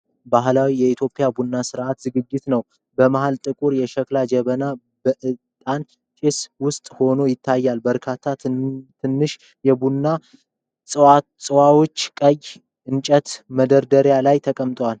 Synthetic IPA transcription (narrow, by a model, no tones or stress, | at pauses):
baɦlawijɛit̪ʰjo̞pʼːijabunːasɨɾʔat̪zɨɡɨd͡ʒːɪt̪nəw | bəmaɦalt̪ʼɨkʼuɾjɛʃɛklad͡ʒɛβəna | bəʔɨt̪ʼan | t͡ʃʼɪswʊst̪ʼho̞no̞jɪt̪ʰːajːalbəɾkʰat̪ʰːat̪ʰɨnːɨʃ | jɛbunːa | sʼɨwa | sʼɨwawo̞t͡ʃːkʼəj | ʔɨnt͡ʃʼət̪məd̪əɾd̪əɾjalajt̪ʰəkʼəmt̪ʼwal